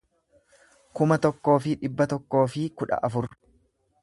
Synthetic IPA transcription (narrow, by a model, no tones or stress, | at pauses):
kʊmɐt̪ɔkːo̞ːfɪᶑɪbːɐt̪ɔkːo̞ːfɪkʊᶑɐ̰ʔɐfʊɾ